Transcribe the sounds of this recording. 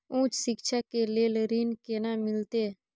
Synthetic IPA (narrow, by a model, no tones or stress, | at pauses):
ũːt͡ʃsɪkʃʰaːkeleːləɾiːnkeːnaːmɪlt̪eː